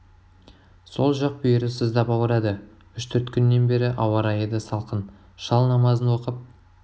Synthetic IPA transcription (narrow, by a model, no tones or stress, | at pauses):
so̞lˠʒɑq̚bʏjɪɾɪsəzd̪ɑpɑwəɾɑd̪ə | ʏʃt̪ʰʏɾt̪kʲʰʏnːe̞nbe̞ɾɪʔɑwɑɾɑjəd̪əsɑlˠqʰən | ʃɑlˠnɑmɑzənwo̞qəp̚